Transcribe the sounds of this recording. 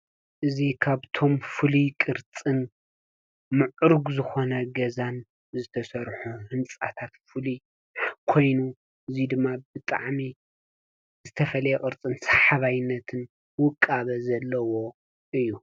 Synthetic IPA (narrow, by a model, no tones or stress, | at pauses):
ʔɨzikʰaβt̪ʰo̞mfɨlikʼɨɾt͡sʼɨn | mɨʕɾɡzɨxo̞nɐɡɐzan | zɨt̪ʰɐsɐɾħuhɨnt͡sʼa̰t̪ʰat̪fɨli | kʰo̞jnu | ʔɨzid̪ɨmːabɨt̪ʼa̰ʕmi | zɨt̪ʰɐfɐlɐjɛkʼɨɾt͡sʼɨnsḁħaβajɪnːɐt̪ʰɨn | wʊkʼːaβɐzɐlːɐwo̞ | ʔɨjːu